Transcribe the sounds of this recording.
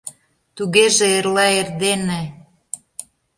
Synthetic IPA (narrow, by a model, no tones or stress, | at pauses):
t̪uɣeʒĕeɾlɑerd̪ene